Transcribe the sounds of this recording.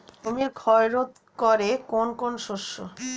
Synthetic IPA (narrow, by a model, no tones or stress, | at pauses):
komiɾkʰɔeɾot̪ | koɾekonkonʃoʃːo